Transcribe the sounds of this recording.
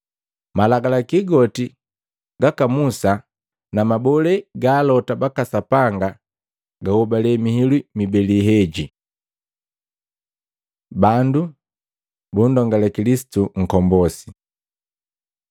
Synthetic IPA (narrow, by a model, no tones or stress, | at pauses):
malaɡalakiɡɔti | ɡakamusa | namabɔlɛɡaːlɔtabakasapaŋɡa | ɡahɔbalɛmihilwimibɛliɦɛɟi | bandu | bundɔŋɡalɛkilisi̥tuŋ̩kɔmbɔsi̥